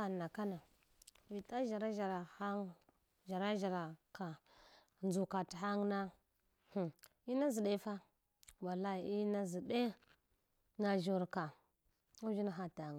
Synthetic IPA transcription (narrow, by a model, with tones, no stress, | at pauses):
a˨na˨ka˦na˨ | vi˨ta˦ʒa˨ɾa˦a˨ɾa˨a˦ŋ | ʒa˨ɾa˦ʒa˨ɾa˨ka˨ | nd͡zu˨ka˨ti˨ɦa˦ŋna˦ | hu˨ | i˦na˦zi˨ɗe˦fa˦ | wa˨la˦i˨i˦na˦zi˨de˦ | na˨ʒu˨ɾka˨ | u˦d͡ʒi˦na˦ɦa˦ta˨ŋ˨